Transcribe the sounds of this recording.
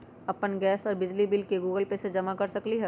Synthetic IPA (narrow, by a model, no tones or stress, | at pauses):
ɐpənɡɛːsɔːɾbɪd͡ʒlibɪlkeɡuːɡəlpesed͡ʒɐmakɐɾsɐkliɦɛ